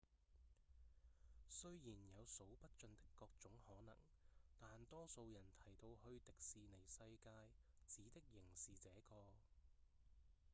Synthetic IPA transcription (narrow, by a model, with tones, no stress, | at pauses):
sɵ˥ɥjiː˨˩njɐ˨˧wso˨˥wpɐ˥t̚t͡ʃɵ˧nt̪ɪ̥˥kːɔː˧k̚t͡sʊ˨˥ŋhɔː˨˥nɐ̰˨˩ŋ | t̪aː˨nt̪ɔː˥so˧wjɐ˨˩nt̪ʰɐ˨˩jt̪o˧whɵ˧ɥt̪ɪ˨k̚siː˨ne˨˩jsɐ˧jkaː˧jt͡siː˨˥t̪ɪ˥k̚jɪ˨˩ŋsiː˨˩t͡sɛː˨˥kɔː˧